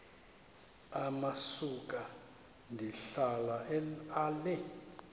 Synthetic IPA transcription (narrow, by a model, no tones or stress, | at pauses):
amasuk̬ʼa | ndʱiɬalaɛalɛ